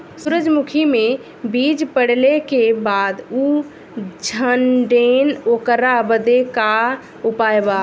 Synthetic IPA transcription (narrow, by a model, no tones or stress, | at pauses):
suɾəd͡ʒmukʰime | bid͡ʒpəɽlekebad̪u | d͡ʒʱənɖenokɾabəd̪eka | upaeba